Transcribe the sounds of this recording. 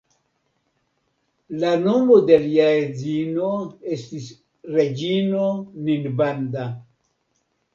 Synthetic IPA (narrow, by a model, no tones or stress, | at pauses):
lano̞mode̞liaezinoestis | ɾed͡ʒinoninbanda